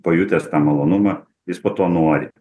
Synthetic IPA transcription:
poːjʊt̪ʲeːst̪ɑːmɐlˠoːnʊmɐ | jɪspoːt̪oːnoːɔɾʲɪ

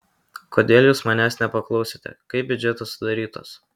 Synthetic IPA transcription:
koːd̪ʲeːlʲˠjuːsmɑnʲæsnʲɛpɐklˠɒʊsʲeːt̪ʲɛ̰kɐɪp̚bʲʊd͡ʒʲɛt̪ɐsʊd̪ɐɾʲiːt̪o̰ːs

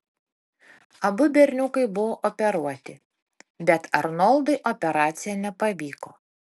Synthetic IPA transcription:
ɐbʊbʲɛɾʲnʲʊkɐɪbʊʋoːʔɔpʲɛɾuɔt̪ʲɪ | bʲɛt̪ɐɾnɔlˠd̪ɐɪʔɔpʲɛɾɑːt̪sʲɪjɛnʲɛpɐʋʲiːkoː

